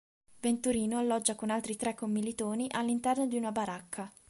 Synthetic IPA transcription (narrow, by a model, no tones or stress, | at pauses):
vent̪uɾiːnoalːɔd͡ʒːakonalt̪ɾit̪ɾɛkːomːilit̪oːniʔalːint̪ɛrnod̪iunabaɾakʰːa